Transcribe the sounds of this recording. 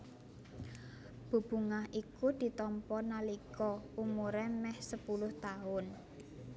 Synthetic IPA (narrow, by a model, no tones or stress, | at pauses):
b̥o̤b̥ṳŋaɦʔikud̪̥i̤t̪ɔmpɔnalikɔumuɾɛmɛhsəpulʊht̪aʊn